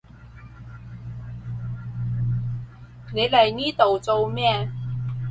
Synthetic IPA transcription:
ne˨˧jlɐ˨˩jniː˥t̪o˨˩wt͡so˧wmɛː˥˨

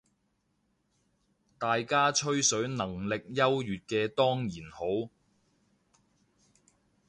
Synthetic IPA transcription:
t̪aː˨jkaː˥t͡ʃʰɵ˥ɥsɵ˨˥ɥnɐ˨˩ŋlɪ˨k̚jɐ˥wjyː˨t̚kɛː˧t̪ɔː˥ŋjiː˨˩nho˨˥w

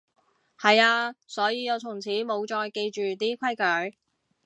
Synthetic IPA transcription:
hɐ˨jaː˧sɔː˨˥jiː˨˧jɐ˨˧wt̪ʰʊ˨˩ŋt͡sʰiː˨˥mo˨˧wt͡ʃɔː˧jke˧jt͡ʃyː˨t̪iː˥kʷʰɐ˥jkœː˨˥j

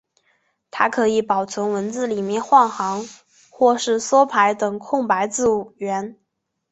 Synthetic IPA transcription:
t̪ʰa˥kʰɤ˧˥i˧˥pɑ˨˩ʊt͡sʰwə˧˥nwə˧˥nt͡sɹ̩˥˩li˨˩mjɛ˥˧nxwɑ˥˩ŋxɑ˧˥ŋ | xwɔ˥˧ʂɻ̩˥˩swɔ˥pʰa˧˥ɪt̪ɤ˨˩ŋkʰʊ˥˩ŋpa˧˥ɪt͡sɹ̩˥˩u˨˩ɥɛ˧˥n

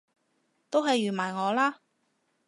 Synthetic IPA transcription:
t̪o˥wɦɐ˨jɥyː˨˩maː˨˩jŋɔː˨˧laː˥

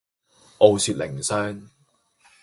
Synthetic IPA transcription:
ʔo˨˧wsyː˧t̚lɪ̰˨˩ŋsœː˥ŋ

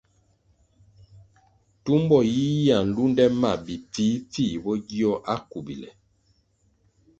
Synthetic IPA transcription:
tu˦mbɔ˦˨ji˦ja˨n̩˨lu˦ndɛ˦ma˦˨bi˨p͡fiː˨˦p͡fi˦˨bɔ˦ɡi˦ɔ˦ʔa˦ku˨bḭ˨lɛ̰˨

